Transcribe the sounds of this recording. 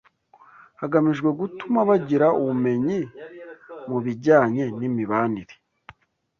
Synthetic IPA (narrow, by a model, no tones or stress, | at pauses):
haɡamiʒɡwe̞ɡutumaβaɟiɾauβume̞ɲi | muβiɟaːɲe̞nimiβaːniɾe̥